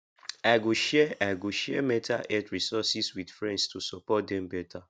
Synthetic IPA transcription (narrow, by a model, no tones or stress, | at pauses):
aɪɡoʃɛaɪɡoʃɛmɛ̃tʰaʔɛtɹisɔsiswidfɹɛ̃ndstusɔpɔt̚dɛ̃mbɛtʰa